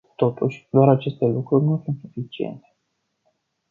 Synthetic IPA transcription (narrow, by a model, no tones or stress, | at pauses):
t̪o̞t̪uʃʲd̪oaɾat͡ʃe̞st̪e̞lukɾurʲnusunt̪sufit͡ʃie̞̰nt̪e̥